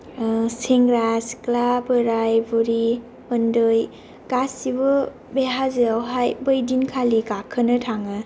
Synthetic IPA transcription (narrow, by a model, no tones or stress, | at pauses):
seŋɡɾasklabɯɾajbuɾi | pɯndɯj | ɡasiβɯ | beɦazɯwɦajbɯjdinkʰalikakʰənɯtʰaŋɯ